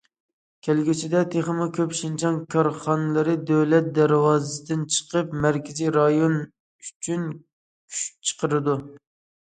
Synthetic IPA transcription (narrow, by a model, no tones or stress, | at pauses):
kʲʰælɡʲit͡ʃʰid̪ɛt̪ʰeχəmɨkʲʰøpʃɪnt͡ʃʰɑnkʲʰɑɾχɑnɨlˠɨɾɨd̪øwlɛt̪̚d̪æɾwɑːzɨsɨd̪ɪnt͡ʃʰə̥qəpmæɾkʲɪzijɾɑjon | yt͡ʃʰyn | kʲʰy̥ʃt͡ʃʰə̥qʰəɾɨd̪u